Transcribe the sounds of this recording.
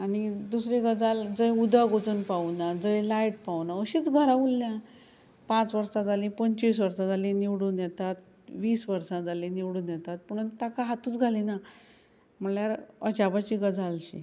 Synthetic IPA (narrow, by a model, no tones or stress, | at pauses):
anid̪usɾeɡəd͡zald͡zəjud̪aɡot͡suːnpaunad͡zəjlaiʈ̚pawnaəɕiːt͡sɡʱəɾãulːjã | pãt͡sʋəɾsad͡zalĩpəɲt͡ɕis̬ʋəɾsad͡zalĩniʋɽuːnjɛt̪at̪̚ | ʋiːsʋəɾsãd͡zalĩniʋɽuːnjɛt̪at̪̚məɽ̃unt̪akaɦat̪uːt͡sɡʱalina | m̤əljaɾə̰t͡ɕabat͡ɕiːɡəd͡zalɕḭ